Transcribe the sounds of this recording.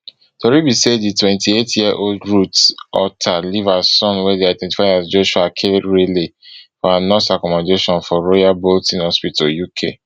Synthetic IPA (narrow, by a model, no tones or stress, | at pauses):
tɔɹibiseditwɛ̃ntietjiɛʔoldɹutɔ̰tʰalivasɔ̃nwɛdeajdɛ̃nti̥faɪasd͡ʒoʃuakʰeɹelefɔanɔsakɔmɔ̃deʃɔ̃nfɔɹojaboltĩnɔspitojukʰḛ